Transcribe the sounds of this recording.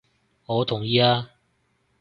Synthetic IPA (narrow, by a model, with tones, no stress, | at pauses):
ŋɔː˨˧t̪ʰʊ˨˩ŋjiː˧aː˧